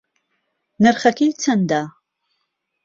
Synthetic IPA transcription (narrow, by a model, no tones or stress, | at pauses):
nɨrχɐkʲʰejt͡sʰɐndaː